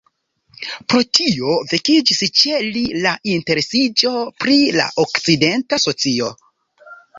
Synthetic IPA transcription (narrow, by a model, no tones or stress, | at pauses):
pɾo̞tʰio̞vekid͡ʒist͡ʃe̞lilaʔinte̞ɾe̞sid͡ʒo̞pɾila̰ʔokt͡side̞ntaso̞t͡sio̞